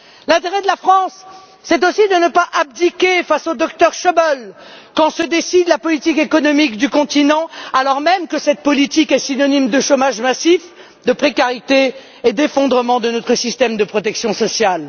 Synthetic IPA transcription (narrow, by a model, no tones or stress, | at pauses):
lɛ̃t̪eʁɛd̪əlafχɑ̃sː | ɛt̪osid̪ənəpaʔab̚d̪ikʲefasod̪ɔkt̪œʁʃəbɔlkɑ̃səd̪esid̪lapɔlit̪ikekɔnɔmikd̪ykɔ̃t̪inɑ̃alɔʁmɛmkəsɛt̪̚pɔlit̪ikɛsinɔnimd̪əʃomaʒmasif | d̪əpχekaʁit̪eː | d̪efɔ̃d̪ʁəmɑ̃d̪ənɔt̪χəsist̪ɛmd̪əpχɔt̪ɛksjɔ̃sɔsjal